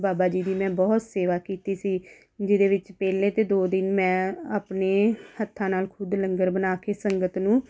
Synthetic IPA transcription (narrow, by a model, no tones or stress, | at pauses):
baːbaːd͡ʒiːd̪iːmɛ̃ːbɔːt̪seːʋaːkiːt̪iːsiː | d͡ʒɪd̪eːʋɪt͡ʃpɛːlẽːt̪eːd̪oːd̪ɪnmɛ̃ːaːpneːhət̪ʰːãːnaːlkʰʊd̪ləŋɡəɾbənaːkeːsəŋɡət̪nũː